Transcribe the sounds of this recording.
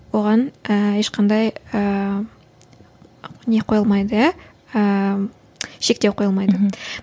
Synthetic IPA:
wo̞ʁɑnəeʃqʰɑnd̪ɑjə | ne̞qʰo̞jəlˠmɑjd̪ə | ə | ʃe̞k̚t̪ewqʰo̞jəlˠmɑjd̪ə

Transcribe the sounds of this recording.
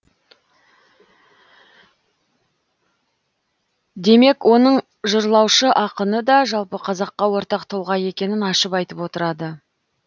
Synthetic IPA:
d̪e̞me̞kwʔo̞nəɴ | ʒəɾlˠɑwʃəʔɑqənəd̪ɑʒɑlˠpəqʰɑzɑqːɑwo̞ɾt̪ɑqt̪ʰolˠʁɑje̞kʲe̞nɪnɑʃəpɑjt̪əpwo̞t̪əɾɑd̪ə

